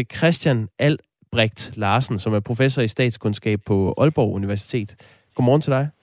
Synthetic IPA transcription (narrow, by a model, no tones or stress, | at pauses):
kʰʁɛsd̥jænʔæl̰ | b̥ʁɛɡ̥d̥lɑ̈ːsn̩sɒ̽mæɐpʰʁo̝fes̬ɒisd̥ɛ̰ːd̥skʰɔ̽nsɡ̥ɛ̰ːb̥̚pʰɒ̽ɒ̽lb̥ɒʊ̰uniʋæɐsi̥t͡sʰe̝̰ːd̥ | ɡ̥ɒmɒːn̰t͡sʰed̥ɑ̈ɪ